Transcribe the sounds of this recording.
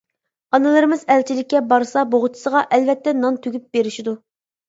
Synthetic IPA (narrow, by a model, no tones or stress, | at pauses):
ɑnɨlˠɨɾɨmɨzɛlt͡ʃʰilɪkʲːɛbɑɾsɑboʁʊt̪ʰʊ̥səʁɑʔɛlvɛt̪ʰːɛnɑnt̪ʰyɡʲyp̚beɾiʃid̪u